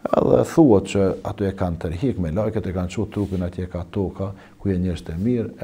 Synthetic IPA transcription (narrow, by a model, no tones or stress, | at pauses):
ɛ̰ðɛ̰θuɔt̪̚t͡ʃəat̪ɔɛkant̪əɾɦikmɛlajkɛt̪ɛkant͡ʃut̪ːɾupinat̪jɛɛkat̪ɔka | kujɛɲəɾst̪ɛmiɾ